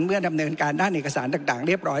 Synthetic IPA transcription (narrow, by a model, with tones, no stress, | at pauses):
nmɯ˥˩ɐda˧mnɤː˧nkaː˧ndaː˥˩nʔeː˨˩ka˧saː˩˦nt̪aː˨˩ŋt̪aː˨˩ŋɾi˥˩əp̚ɾɔː˦˥